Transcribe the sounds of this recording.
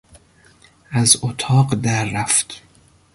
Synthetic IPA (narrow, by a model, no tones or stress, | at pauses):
ʔæzot̪ʰɒːɢd̪æɾːæft̪